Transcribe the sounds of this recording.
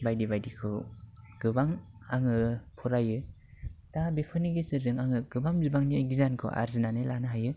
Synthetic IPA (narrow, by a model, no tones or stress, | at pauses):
bajdibajdikʰɯɡ̥ɯbaŋaŋɯpʰɔɾajɯ | tabepʰɯniɡezɯɾɯŋaŋɯɡɯbamzibaŋniɡizankʰɯ̰ʔa̰ɾzinanɯlanɯɦajɯ